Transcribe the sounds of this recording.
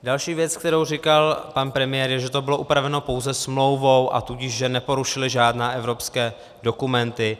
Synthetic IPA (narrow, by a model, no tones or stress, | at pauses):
dalʃiːvjɛt͡sk̚t̪ɛɾowr̝ɪkalpanpɾɛmɪjɛːɾjɛʒɛt̪o̞bɪlo̞ʔupɾavɛno̞po̞wzɛsmlo̞wvowʔa̰t̪uɟɪʃʒɛnɛpo̞ɾuʃɪlɪʒaːdnɛːʔɛvɾo̞pskɛː | do̞kumɛnt̪ɪ